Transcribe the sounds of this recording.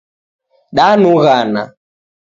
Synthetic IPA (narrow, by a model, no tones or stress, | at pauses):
ɗanuɣana̰